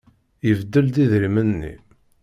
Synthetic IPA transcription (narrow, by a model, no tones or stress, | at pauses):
jəvd̪ːəld̪iðɾimənːḭ